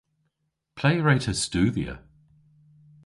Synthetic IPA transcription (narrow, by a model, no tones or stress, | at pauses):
pʰl̥eɪɹeɪtʰəstʉːðiə̰